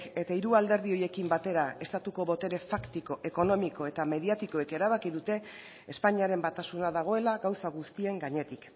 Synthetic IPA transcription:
ke̞t̪aiɾuald̪e̞ɾðio̞je̞kimbat̪e̞ɾae̞st̪at̪uko̞βo̞t̪e̞ɾe̞fakt̪iko̞ʔe̞ko̞no̞miko̞e̞t̪ame̞ðiat̪iko̞eke̞ɾaβ̞akiðut̪e̞ː | spaɲiaɾe̞mbat̪asunaðaɣ̞o̞e̞laɣawsaɣ̞ust̪ie̞ŋɡaɲe̞t̪ik

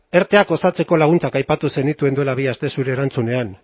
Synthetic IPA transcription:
e̞ɾt̪e̞ako̞sat͡se̞ko̞laɣ̞unt͡sakajpat̪use̞nit̪ue̞nd̪ue̞laβ̞iast̪e̞suɾe̞ːɾant͡sune̞an

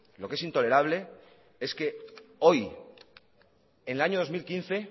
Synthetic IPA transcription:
lo̞ke̞sint̪o̞le̞ɾaβ̞le̞ | eske̞o̞j | enelaɲoð̞o̞zmilkin̟θe̞

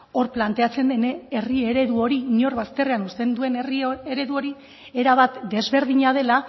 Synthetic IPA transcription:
o̞ɾplant̪e̞at͡se̞nd̪e̞nee̞rie̞ɾe̞ðuo̞ɾiɲo̞ɾβast̪e̞re̞anust̪e̞nd̪ue̞nrieɾe̞ðuo̞ɾi | eɾaβat̪d̪e̞zβe̞ɾð̞iɲað̞e̞la

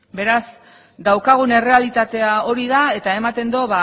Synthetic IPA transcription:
be̞ɾaz | d̪awkaɣ̞une̞re̞alit̪at̪e̞ao̞ɾið̞ae̞t̪ae̞mat̪e̞nd̪o̞βa

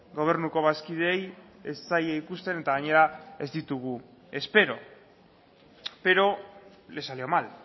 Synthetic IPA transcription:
ɡo̞β̞e̞ɾnuko̞β̞askið̞ejest͡sajeikust̪e̞ne̞t̪aɣaɲe̞ɾae̞zd̪it̪uɣu | e̞spe̞ɾo̞ | pe̞ɾo̞ | le̞salio̞mal

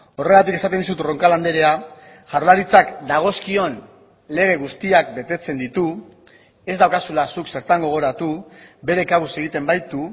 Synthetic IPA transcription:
o̞re̞ɣat̪ike̞sat̪end̪is̬ut̪ro̞ŋkaland̪e̞ɾe̞a | ʝaɾlaɾit͡sakd̪aɣ̞o̞skio̞n | le̞ɣ̞e̞ɣ̞ust̪iak̚be̞t̪e̞t͡se̞nd̪it̪u | e̞zd̪awkasulasukse̞ɾt̪aŋɡo̞ɣ̞o̞ɾat̪ube̞ɾe̞kaβuse̞ɣ̞it̪e̞mbajt̪u

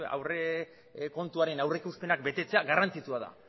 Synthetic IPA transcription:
a̰wre | ko̞nt̪uaɾe̞nawre̞kuspe̞nak̚be̞t̪e̞t͡se̞aɡarant͡sit͡suaða̰

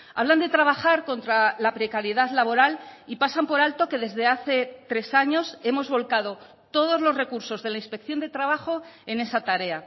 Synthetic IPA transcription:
a̰β̞land̪e̞t̪ɾaβ̞axaɾko̞nt̪ɾalapɾe̞kaɾjeðaðlaβ̞o̞ɾalipasampo̞ɾalt̪o̞ke̞ðe̞zðe̞aθe̞t̪ɾe̞saɲo̞se̞mo̞zβo̞lkað̞o̞ | t̪o̞ð̞o̞zlo̞zre̞kuɾso̞zðe̞lainspe̞kθjo̞nd̪e̞t̪ɾaβ̞aχo̞e̞ne̞sat̪aɾe̞a

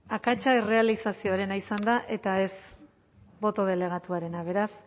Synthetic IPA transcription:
akat͡ʃaere̞alisasio̞aɾe̞naisand̪aʔe̞t̪ae̞s | bo̞t̪o̞ð̞e̞le̞ɣ̞at̪uaɾe̞naβ̞e̞ɾas

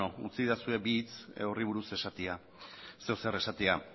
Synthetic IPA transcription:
out͡siðasue̞biːt͡soriβ̞uɾuse̞sat̪ea | se̞ose̞re̞sat̪ea

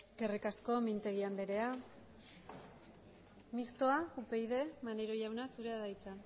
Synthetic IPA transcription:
ɡerikasko̞mint̪e̞ɣ̞iand̪eɾe̞a | mist̪o̞aupe̞jðe̞maneɾoʝawnasuɾe̞aðajt͡sa

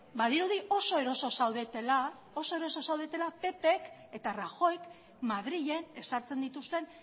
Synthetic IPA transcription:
baðiɾuðiʔo̞so̞e̞ɾo̞so̞sawðet̪ela | o̞so̞e̞ɾo̞so̞sawð̞e̞t̪e̞lape̞pe̞k | e̞t̪araxo̞jk | maðɾiʎe̞ne̞saɾt͡se̞nd̪it̪ust̪e̞n

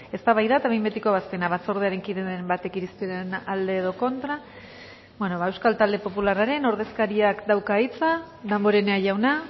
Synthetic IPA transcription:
e̞st̪aβajðat̪aβembe̞t̪ikoβ̞ast̪enaβat͡so̞ɾð̞eaɾe̞ŋkiðembat̪e̞kiɾist̪uðenald̪e̞ːðo̞ko̞nt̪ɾa | bweno̞βae̞wskalt̪ald̪e̞po̞pularaɾe̞no̞ɾðe̞skaɾiakd̪awkait͡sa | ðambo̞ɾene̞aʝawna

